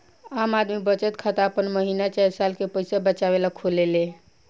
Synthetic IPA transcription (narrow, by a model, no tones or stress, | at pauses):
amad̪mibət͡ʃət̪kʰat̪əpənməɦinat͡ʃajsalkepəɪsabət͡ʃaʋelakʰolele